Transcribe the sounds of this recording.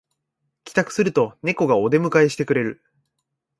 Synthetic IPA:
kʲi̥t̪akɯ̟̥sɨɾɯ̟t̪o̞ne̞ko̞ɡao̞d̪e̞mɯ̟kaeɕi̥t̪e̞kɯ̟ɾe̞ɾɯ̟

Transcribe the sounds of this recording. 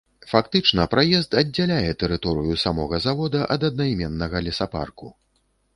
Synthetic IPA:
fakt̪ɨt͡ʂnɐpɾajɛst̪ɐdd͡zʲːalʲajɛt̪ɛɾɨt̪ɔɾɨjusamɔɣɐzavɔd̪ɐʔɐd̪ɐd̪̚najmʲɛnːɐɣɐlʲisapa̰rku

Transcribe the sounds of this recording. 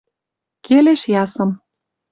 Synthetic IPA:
keleʃjɑsɤ̆m

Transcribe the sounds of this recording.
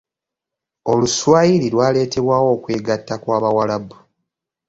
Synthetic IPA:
o̞luswaːjiɾilwaːle̞ːte̞βwaːwo̞ːkwe̞ːɡatːakwaːβawalabu

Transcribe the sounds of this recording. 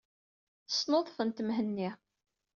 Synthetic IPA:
θə̥snoðˤfənt̪mɦənːi

